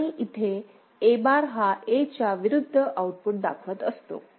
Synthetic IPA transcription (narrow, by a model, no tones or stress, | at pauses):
iʔit̪ʰe | ebaɾɦaʔet͡ɕaʋiɾud̪ʱːəʔauʈ̚puʈ̚d̪a̰kʰət̪əst̪o̰